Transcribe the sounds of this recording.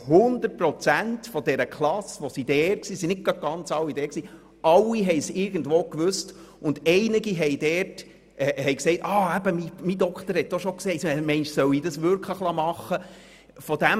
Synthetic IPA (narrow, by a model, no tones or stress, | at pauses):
hʊnd̪ət̚pɾɔt͡sæntfɔd̥ɛɾəkʰlɑsʋosid̥ɛːɾksiːsinɪt̚ɡ̥ɑd̚ɡ̥ɑnt͡sɑwːid̥ɛːksiː | ʔɑlːiɦɛɪsɪɾɡn̩dʋoːkʋʏst | ʊndɛɪnɪɡiɦɛɪd̥ɛɾt | ɛhɛɪksɛɪtɑːæbəmimidɔkt̪əɾhɛt̚d̥oʃɔksɛɪtɛmɛɪnʃsœwidɑsʋʏɾkʰləχlɑmɑχːə | fɔd̥æm